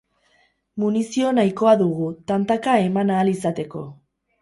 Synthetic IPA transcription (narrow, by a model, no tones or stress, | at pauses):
munisio̞najko̞aðuɣut̪ant̪akae̞manaːlisat̪e̞ko̞̰